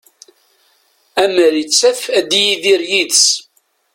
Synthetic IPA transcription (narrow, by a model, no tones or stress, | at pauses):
æməɾit͡sːæθæd̪ijiðiɾjiðs